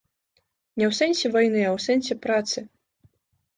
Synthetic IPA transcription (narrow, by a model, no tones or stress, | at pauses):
nʲɛwsɛnʲsʲɛvajnɨawsɛnsʲɛpɾat̪sɨ